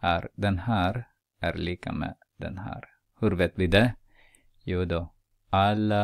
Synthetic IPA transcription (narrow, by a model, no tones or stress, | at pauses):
hæɾd̪ɛnhæːɾ | ʔæɾliːka̰mɛ̰ | d̪ɛ̰nhæ̰ːɾ | hʉɾʋeːt̪ʋɪd̪ɛ | juːd̪o | alə